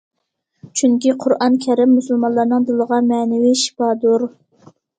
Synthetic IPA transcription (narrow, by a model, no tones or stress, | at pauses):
t͡ʃʰyŋkʲiqʰʊɾʔɑnkʲʰɛɾɪmːusulˠmɑnlˠɑɾnɨŋd̪ulˠəʁɑmɛnɪwiʃi̥pɑd̪uɾ